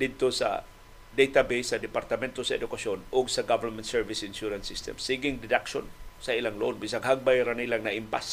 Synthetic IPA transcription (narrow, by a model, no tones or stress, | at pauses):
d̪ɪd̪̚t̪osa̰ | d̪ejt̪abesad̪ɪpaɾt̪amɛnt̪osaɛd̪ʊkasonʊɡsaɡavəɹmɛnt̪̚sɛɹvɪsɪnʃuɾansɪst̪ɛ̰msiɡɪŋdɪd̪akʃonsailaŋloonbis̬aŋhaɡ̚bajɾanilaŋnaʔɪmpas